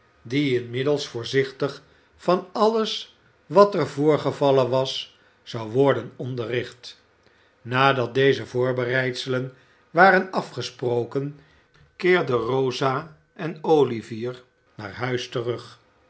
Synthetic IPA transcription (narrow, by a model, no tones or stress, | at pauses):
diɪnmɪdəlˠsfʊːɹzɪχtəχ | fɑnɑləs | ʋɑtɛɹvʊːɹχəvɑlənʋɑs | zɑwʋɔɹdənɔndərɪχt | naːdɑt̚dejzəvʊːɹbərɛjtsələn | ʋaːrənɑfχəsprowkən | kɪːɹdəroza | ʔɛnowliviɹ | na̰ːɹɦœɥstərɵχ